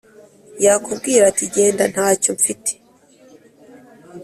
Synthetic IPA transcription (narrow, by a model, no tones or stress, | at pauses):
jakub̚ɡiːɾatiɟe̞ːndan̥haːcoɱfite̥